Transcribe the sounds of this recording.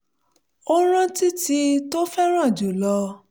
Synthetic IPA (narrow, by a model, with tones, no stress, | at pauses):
o˦ɾ̃ã˦ti˦ti˧to˦fɛ˦ɾ̃ã˦˨d͡ʒu˨lɔ˧